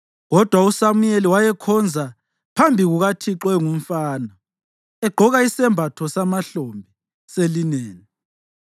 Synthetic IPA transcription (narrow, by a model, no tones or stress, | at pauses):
ɣɔd̥ʱwausamujeliwajɛkʰɔnd͡zʱa | pʰambʱiɣuɣatʰiǁwɛŋum̩faːnɔ | ɛɡ͡ǃʱɔɣaisɛmbʱatʰɔsamaɬombʱi | selineːni